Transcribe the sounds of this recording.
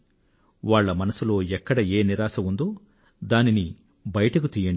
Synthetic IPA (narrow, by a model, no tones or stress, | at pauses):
ʋaːɭːɐmɐnɐsulo̞ːɛkːɐɽɐeːniɾaːsɐund̪o̞ː | d̪aːnini | bɐjɐʈɐk̬ut̪iːjɐɳɖ